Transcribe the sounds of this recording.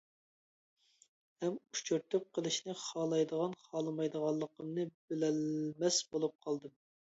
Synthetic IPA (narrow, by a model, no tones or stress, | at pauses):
hɛmu̥ʃt͡ʃʰøɾt̪yp̚qʰəlˠɨʃnɨχɑːlˠɑjd̪əʁɑnχɑːlˠɨmɑjd̪əʁɑlˠːəqəmnɨbɪlɛlmɛsbolˠup̚qʰɑlˠd̪ɨm